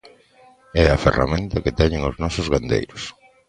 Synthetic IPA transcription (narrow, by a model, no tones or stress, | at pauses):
ɛɐfḛra̰mẽnt̪ɐkɪt̪ɛɲɪ̃ŋoznɔsʊzɣand̪ḛjɾʊs